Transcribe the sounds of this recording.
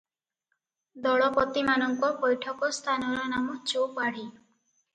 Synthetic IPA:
d̪ɔɭɔpɔt̪imanɔŋkɔpɔjʈʰɔkɔst̪ʰanɔɾɔnamɔt͡ʃopaɽ̤i

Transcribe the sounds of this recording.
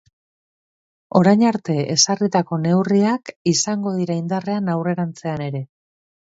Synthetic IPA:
o̞ɾajɲaɾt̪e̞ḛsarit̪ako̞ne̞wriakisaŋɡo̞ð̞iɾaind̪are̞anawre̞ɾant͡se̞ane̞ɾe̞

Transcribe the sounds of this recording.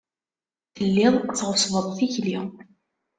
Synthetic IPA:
θəlːɪðˤt͡sːʁʊsvəðˤθiçli

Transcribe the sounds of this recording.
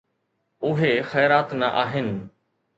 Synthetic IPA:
ʊɦexɛːɾaːt̪nɐʔaːɦɪnɪ̆

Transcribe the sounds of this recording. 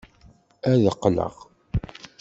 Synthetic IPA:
æðəqːlə̰ʁ

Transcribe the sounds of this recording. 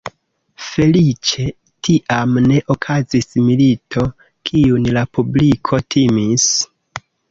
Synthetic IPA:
fe̞lit͡ʃe̞ | tʰiʔamne̞ʔokʰazismilitʰo̞ | kʰiunlapublikʰo̞tʰimis

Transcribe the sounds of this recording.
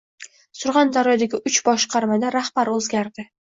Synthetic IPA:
sʊɾʁɑnd̪aɾɒjd̪aɡʲɪʔʊt͡ʃbɒʃqʰɑɾmad̪aɾahb̥aɾɵzɡʲaɾd̪ɪ

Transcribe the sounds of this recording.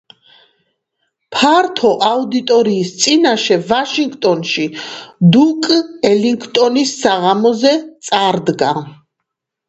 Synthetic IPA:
pʰaɾt̪ʰɔʔaud̪it̪ʼɔɾiːst̪sʼinaʃɛvaʃiŋɡt̪ʼɔnʃid̪ukʼɛliŋkʰt̪ʼɔnisːaʁamɔzɛt̪sʼaɾd̪ɡa

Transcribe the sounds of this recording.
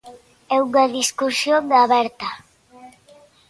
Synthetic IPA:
ɛuŋaðiskuɾsjond̪aβɛɾt̪a

